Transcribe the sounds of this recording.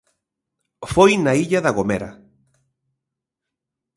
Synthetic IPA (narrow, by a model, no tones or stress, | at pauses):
fojnaiʎaðaɣomeɾa̰